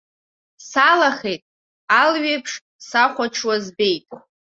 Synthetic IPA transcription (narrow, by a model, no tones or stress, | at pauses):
salaχejtʼ | alɥejpʰʂ | saχʷaʈ͡ʂʰwazbe̞jtʼ